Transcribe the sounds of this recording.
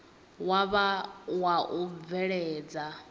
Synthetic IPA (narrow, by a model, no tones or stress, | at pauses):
waβawaʔub̪vɛɺɛːd͡za